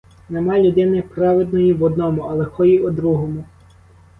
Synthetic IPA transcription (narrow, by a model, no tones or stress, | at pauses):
nemɑlʲud̪ɪnɪpɾɑʋed̪nɔjiʋɔd̪nɔmʊɐlˠɛxɔjiʊd̪ɾuɦɔmʊ